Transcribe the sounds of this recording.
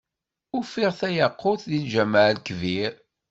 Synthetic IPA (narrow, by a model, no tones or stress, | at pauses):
ʊfiʁθæjəqːʊθðinʒæmaʕlkviɾ